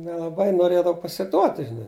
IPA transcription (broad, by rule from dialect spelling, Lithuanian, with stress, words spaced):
nʲɛlˠɐˈbɐɪ noːˈrʲeːdɐw pɐsʲɪˈduɔtʲɪ ʒʲɪˈnɐɪ